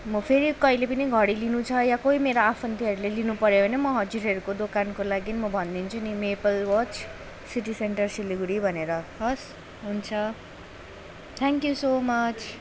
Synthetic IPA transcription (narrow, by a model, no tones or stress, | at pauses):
mʌpʰeɾikʌilepʌniɡʱʌɽilinũt͡sʰʌjakoimeɾoapʰʌnt̪iʌɾulelinupʌɾjoɦʌjnʌmʌɦʌd͡ziɾɦʌɾukod̪okankolaɡinimʌbʱʌnd̪int͡sʰunimepʌlwʌt͡ʃ | siʈiseɳʈʌrsiliɡuɽibʱʌneɾʌɦʌs | ɦunt͡sʰʌ | t̪ʰaŋkjusomʌt͡sʰ